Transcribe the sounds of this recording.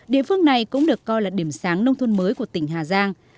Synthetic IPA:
ɗḭ˧˨əfɨ˧əŋna˨˩jkʊ̰˧˥ŋ͡mɗɨ˨˩əkːɔ˧jlaː˨˩ɗi˧˩əmsaː˨˦ŋnə˧wŋ͡mt̪ʰu˧nməː˨˦jku˧˩ət̪ï˧˩ŋ̟ɦaː˨˩zaː˧ŋ

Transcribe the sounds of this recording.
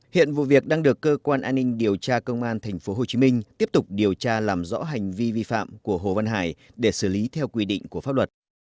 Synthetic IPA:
hḭ˧˨ənvṵ˧˨vi˨˩ək̚ɗaː˧ŋɗɨ˨˩əkːəː˧kwaː˧nʔaː˧nːï˧ŋ̟ɗi˨˩əwt͡ɕaː˧kə˧wŋ͡mʔaː˧nt̪ʰɛ˨˩jŋ̟fo˨˦ɦo˨˩t͡ɕi˨˦mï˧ŋ̟t̪i˦˥əp̚t̪ʊ˨˩k͡p̚ɗi˨˩əwt͡ɕaː˧laː˨˩mzɔ̰˧˥ɦa˨˩jŋ̟vi˧vi˧fa̰ː˧˨mku˧˩əɦo̰˧˨˩və˧nɦa̰ː˧˩j | ɗe˧˩sɨː˧˩li˨˦t̪ʰɛ˧wkwi˧ɗḭ˧˨ŋ̟ku˧˩əfa˦˥p̚lwə˨˩t̚

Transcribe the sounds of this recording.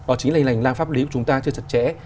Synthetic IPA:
ɓaː˨˩t͡ɕi̟˨˦la˧˩ŋ̟la˨˩jŋ̟laː˧nfaː˦˥p̚li˨˦u˧˩t͡ɕʊ˨˦ŋ͡mt̪aː˧t͡ɕɨ˧ət͡ɕʰə˨˩t̚t͡ɕɛ̰˧˥

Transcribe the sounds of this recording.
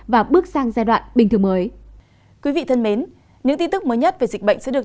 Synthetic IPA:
vaː˨˩ɓɨ˦˥ək̚saː˧ŋzaː˧ɗwa̰ː˧˨nɓi˨˩t̪ɨ˨˩ŋməː˨˦j | kwi˨˦vḭ˧˨t̪ʰə˧nme˨˦n | ɲɨ̰˧˥ŋt̪i˧nt̪ɨ˦˥k̚məː˨˦jɲə˦˥t̚ve˨˩zi˨˩k̚ɓə̰˧˨jŋ̟sɛ̰˧˥ɗɨ˨˩ə˩

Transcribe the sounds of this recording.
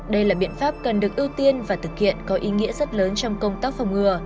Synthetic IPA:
ɗə˧jlaː˨˩ɓḭ˧˨ənfaː˦˥p̚kə˨˩nɗɨ˨˩ək̚ʔi˧wt̪i˧ənvaː˨˩t̪ʰɨ˨˩k̚hḭ˧˨ənkɔ˨˦ʔi˨˦ŋḭ˧˥əzə˦˥t̚ləː˨˦nt͡ɕɔ˧wŋ͡mkə˧wŋ͡mt̪aː˦˥k̚fa˨˧˩wŋ͡mŋɨ˧˩ə

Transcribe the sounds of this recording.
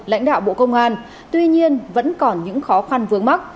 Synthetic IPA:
la̰˧˥jŋ̟ɗa̰ː˧˨wɓo̰˧˨kə˧wŋ͡mʔaː˧n | t̪wi˧ɲi˧ənvə̰˧˥nkɔ˨˩nɲɨ̰˧˥ŋxɔ˨˦xa˧nvɨ˨˦əŋma˦˥k̚

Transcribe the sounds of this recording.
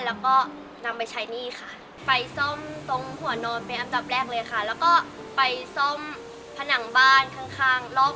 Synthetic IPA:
lɛː˦˥wkɔː˥˩ | na˧mpa˧jt͡ɕʰa˦˥jniː˥˩kʰa˥˩ | pa˧jso˥˩mt̪o˧ŋhu˨˩ɐ˦nɔː˧npe˧nʔa˧mda˨˩p̚ɾɛː˥˩k̚lɤː˧jakʰa˥˩lɛː˦˥wkɔː˥˩ | pa˧jso˥˩m | pʰa˧na˩˦ŋbaː˥˩nkʰa˥˩ŋkʰaː˥˩ŋlɔ˦˥˩

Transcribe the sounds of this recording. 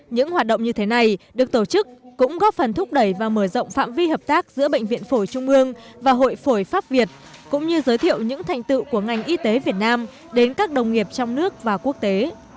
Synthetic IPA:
ɲɨ̰˧˥ŋhwaː˨˩t̚ɗə̰˧˨wŋ͡mɲɨ˧t̪ʰe˨˦na˨˩jɗɨ˨˩ək̚t̪o˧˩t͡ɕɨ˦˥k̚kʊ̰˧˥ŋ͡mɣɔ˦˥fə˨˩nt̪ʰʊ˦˥k͡p̚ɗə˧˩jvaː˨˩məː˧˩zə̰˧˨wŋ͡mfa̰ː˧˨mvi˧həː˨˩p̚t̪aː˦˥k̚zɨ̰˧˥əɓə̰˧˨ŋ̟vḭ˧˨ənfo˧˩jt͡ɕʊ˧ŋ͡mʔɨ˧əŋvaː˨˩ɦo̰˧˨jfo˧˩jfaː˦˥p̚vi˨˩ət̚ | kʊ̰˧˥ŋ͡mɲɨ˧zəː˨˦jt̪ʰḭ˧˨əwɲɨ̰˧˥ŋt̪ʰa˨˩jŋ̟t̪ɨ̰˧˨ku˧˩əŋa˨˩jŋ̟ʔi˧t̪e˨˦vi˨˩ət̚naː˧m | ɗe˨˦nkaː˦˥k̚ɗə˨˩wŋ͡mŋi˨˩əp̚t͡ɕɔ˧wŋ͡mnɨ˦˥ək̚vaː˨˩ku˦˥ək̚t̪e˨˦

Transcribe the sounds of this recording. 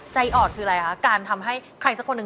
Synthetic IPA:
t͡ɕa˧jʔɔː˨˩n̚kʰɯː˧ɾa˧ja˨kʰa˦˥kaː˧nt̪ʰa˧mɦa˥˩jkʰɾa˧ŋsa˦˥kʰo˧nːɯ˧

